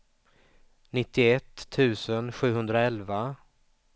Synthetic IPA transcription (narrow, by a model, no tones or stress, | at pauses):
nɪt̪ːɪɛt̪ʰːʉ̟ːsənɧʉ̟ːɦɵnd̪ɾaɛlva